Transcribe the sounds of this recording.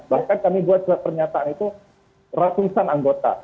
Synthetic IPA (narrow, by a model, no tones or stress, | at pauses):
bahkankamibuat̪̚suat̪̚pərɲat̪aanit̪u | rat̪usanaŋɡot̪a̰